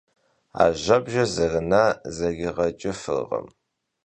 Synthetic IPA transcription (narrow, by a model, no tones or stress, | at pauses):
a̰ːʒɐbʒɐzɐrɨnaːzɐɡʲɪʁɐt͡ʃʼɪfɨ̰rʁɐ̰m